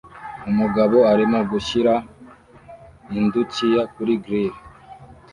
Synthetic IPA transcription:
umuɡaβo̞aɾimoɡuʃiɾa | indut͡ʃijakuɾiɡɾiɾ

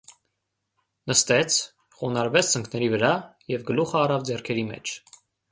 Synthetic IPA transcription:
nəst̪ɛt͡sʰ | χɔnɑɾvɛt͡sʰt͡səŋkʰnɛɾivəɾɑjɛvɡəluχəːrɑvd͡zɛrkʰɛɾimɛ̰t͡ʃʰ

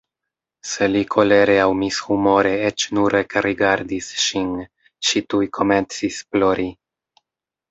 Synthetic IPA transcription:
se̞likʰo̞le̞ɾeawmishumo̞ɾe̞et͡ʃnuɾekɾiɡaɾdisʃin | t͡ʃitujkʰo̞me̞nt͡sisplo̞ɾi

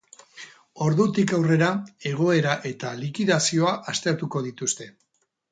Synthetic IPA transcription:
o̞ɾðut̪ikawre̞ɾae̞ɣ̞o̞e̞ɾaʔe̞t̪alikiðasio̞aʔast̪e̞ɾt̪uko̞ðit̪ust̪e̞

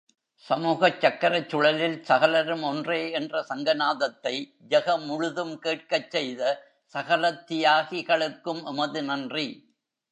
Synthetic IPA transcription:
sɐmuːɣɐt͡ʃːɐkːɐɾɐt͡ʃːʊɽɐlɪlsɐɣɐlɐɾɯmɔndreːɛndrɐsɐŋɡɐnaːðɐt̪ːɐɪ | d͡ʒɐɣɐmʊɻʊðɯmkeːʈ̚kɐt͡ʃːɛjðɐ | sɐɣɐlɐt̪ːɪjaːɣɪɣɐɭɯkːɯmʔʊmɐðɯnɐndri

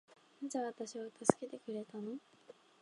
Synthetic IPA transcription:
nad͡ʑaβat̪aɕiβat̪asɨ̥ke̞t̪e̞kɯ̟ɾe̞t̪ano̞

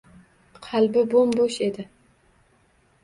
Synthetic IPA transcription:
qʰɑlbɪbomboʃe̞d̪ɪ

